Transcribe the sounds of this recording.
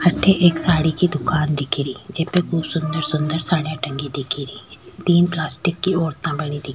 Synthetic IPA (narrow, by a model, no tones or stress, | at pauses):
ɐʈʰːeʔeːksaːɽikid̪ʊkaːnd̪ɪkʰiɾiːd͡ʒepekuːpsʊ̃nd̪əɾsʊ̃nd̪əɾsaːɽjãʈɐ̃ŋɡid̪ɪkʰiɾiːt̪iːnplaːsʈɪkːioːɾt̪ãbɐɽ̃id̪ɪk